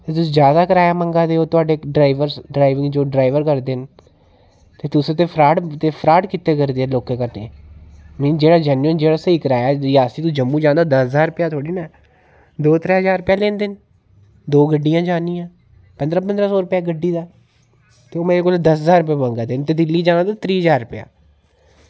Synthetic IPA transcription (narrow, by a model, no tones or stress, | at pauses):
t̪eːt̪ʊsĩːd͡ʒjaːd̪aːkəɾaːjaːməŋɡaːd̪eːoːt̪ʊaːɖeːɖɾaːɪʋəɾsɖɾaːɪʋɪ̃ŋɡd͡ʒoːɖɾaːɪʋəɾkəɾd̪eːn | t̪eːt̪ʊst̪eːpʰɾaːɖt̪eːpʰɾaːʈkɪt̪eːkəɾd̪eːɛːloːkːeːkəɾd̪ẽː | mɪd͡ʒeːɽaːd͡ʒɛːnuənd͡ʒeːɽaːsəiːkəɾaːjajaːsiːt̪ũd͡ʒəmːũːd͡ʒãːnd̪aːd̪əsəzaːɾʊpjaːt̪ʰoːɽiːnaː | d̪oːt̪əɾeːɦəzaːɾpjaːlẽːnd̪ɪn | d̪oːɡəɖːijãːd͡ʒaːnijãː | pənd̪ɾaːp̬ənd̪ɾaːsɔːɾʊpjaːɡəɖːiːd̪aː | t̪eoːmɛ̃koːld̪əsɦəzaːɾʊpjaːbãːŋɡaːd̪ent̪eːd̪ɪlːiːd͡ʒãːnad̪at̪ɾiːɦəzaːɾʊpja̰ː